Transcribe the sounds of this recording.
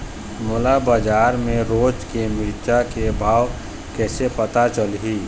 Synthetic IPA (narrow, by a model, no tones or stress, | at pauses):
moːlabad͡ʒaːɾmẽɾoːd͡ʒkemiːt͡ʃakebʱaːw | kɛːsepət̪at͡ʃəlɦiː